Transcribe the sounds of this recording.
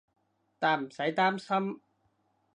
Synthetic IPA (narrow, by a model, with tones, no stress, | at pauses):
t̪aː˨˩nm̩˨˩sɐ˨˥jt̪aː˥msɐ˥m